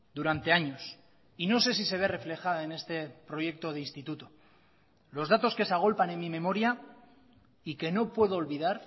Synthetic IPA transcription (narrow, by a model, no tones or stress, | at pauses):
d̪uɾant̪e̞aɲo̞s | ino̞se̞s̬ise̞β̞e̞re̞fle̞xaðaene̞st̪e̞pɾo̞je̞k̚t̪o̞ð̞einst̪it̪ut̪o̞ | lo̞zðat̪o̞ske̞saɣ̞o̞lpane̞nmːime̞mo̞ɾja | ike̞no̞pwe̞ðoːlβiðaɾ